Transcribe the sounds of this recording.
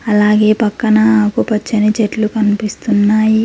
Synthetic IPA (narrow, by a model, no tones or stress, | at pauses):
ɐlaːɡe̞ːpɐkːɐnaaːkupɐt͡ʃːɐnit͡ʃeʈlukɐnipist̪unːaːji